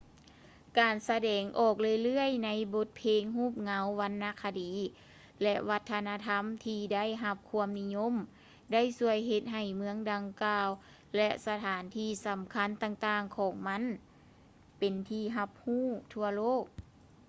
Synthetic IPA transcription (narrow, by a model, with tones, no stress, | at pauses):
kaː˨˩nsa˧dɛː˨˩ŋʔɔː˧˩k̚lɯ˧˨jlɯ˥˩əjna˧˥jbo˧t̪̚pʰeː˧ŋɦuː˥˩p̚ŋa˧˦wʋa˧˥nːa˧˥kʰa˧diː˨˦ | lɛ˧ʔʋa˧t̪ʰːa˧na˧t̪ʰa˧˥˨mt̪ʰiː˧da˥˨jɦa˧p̚kʰu˧˥əmni˧˥ɲo˧˥˨m | da˥˨jsu˧əjɦe˧t̪̚ɦa˨˩jmɯ˧˥˦əŋda˨ŋkaː˧w | lɛ˧ʔsa˧t̪ʰaː˩˦nt̪ʰiː˧˩sa˨˩˦mkʰa˧˥˨nt̪aː˧ŋt̪aː˧ŋkʰɔː˨˦ŋma˧˥˨n | pe˨˩nt̪ʰiː˧ɦa˧p̚huː˥˨t̪ʰu˧ɐloː˥˩k̚